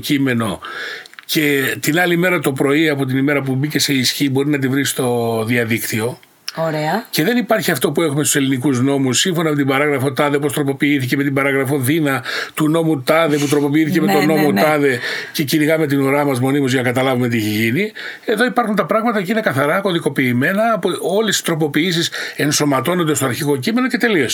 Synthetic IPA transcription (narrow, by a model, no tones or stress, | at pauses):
cime̞no̞ | ce̞t̪inɐlime̞ɾɐt̪o̞pɾo̞iɐpo̞t̪̬inime̞ɾɐp̬ubice̞se̞isçibo̞ɾinɐt̪̬ivɾist̪o̞ðiɐðikt̪io̞ | ɾeɐce̞ðe̞nipɐɾçiɐft̪o̞puexumest̪use̞linikuzno̞musːiɱfo̞nomet̪ibɐɾɐɣɾɐfo̞t̪ɐðepo̞st̪ɾo̞po̞piiθiceme̞t̪ibɐɾɐɣɾɐfo̞ðinɐt̪uno̞mut̪ɐðe̞p̬ut̪ɾo̞po̞piiθicemet̪ono̞mo̞t̪ɐðe̞ce̞ciɾiɣɐme̞t̪̬inoɾɐmɐzmo̞nimozʝɐnɐkɐt̪ɐlɐvumet̪ieçeʝini | e̞ðo̞ipɐɾxunt̪ɐpɾɐɣmɐt̪ɐcinekɐθɐɾɐko̞ðiko̞piːme̞nɐːpo̞lesi̥st̪ɾo̞po̞piis̬ise̞nso̞mɐt̪o̞nond̪est̪o̞ɐɾçiɣo̞cime̞no̞ce̞t̪e̞lio̞s